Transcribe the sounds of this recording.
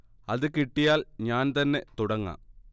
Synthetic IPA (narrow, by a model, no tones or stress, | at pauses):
ɐðɨkiʈːijaːlɲaːnt̪ɐnːe̞t̪uɽɐŋːa̰ː